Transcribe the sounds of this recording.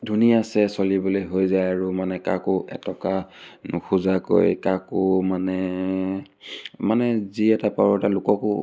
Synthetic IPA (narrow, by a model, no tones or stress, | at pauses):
dʱunijasɛsɔlibolojɦojzajaɹumanɛka̰kʊʔɛ̰tɔkanʊ̰xʰuzako̰jkakʊmanɛ | manɛziɛtapaɹɔtalʊkɔkʊ